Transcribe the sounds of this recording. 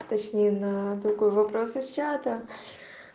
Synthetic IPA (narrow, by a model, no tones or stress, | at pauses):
t̪ɐt͡ɕnʲejnɐd̪ɾʊɡo̞jvɐpɾosɪst͡ʃat̪ə